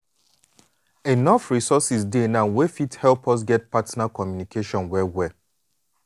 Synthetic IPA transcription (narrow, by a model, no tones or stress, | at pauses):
enɔfɹisɔsis̬dẽnãnwefithɛlpɔs̬ɡɛt̚patnakɔmjunikʰeʃɔ̃nwɛwɛ